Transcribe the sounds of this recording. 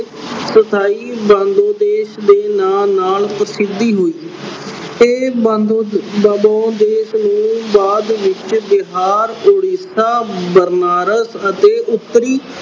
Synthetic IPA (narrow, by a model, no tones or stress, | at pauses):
sət̪ʰaːiːbãːnd̪oːd̪eːʃd̪eːnaːnaːlpəɾəsɪd̪iːɦoːiː | eː | əbãːd̪eːʃnũːbaːd̪ʋɪt͡ʃbɪɦaːɾoːɽiːsaːbəɾnaːɾəsət̪eːʔʊt̪ːəɾiː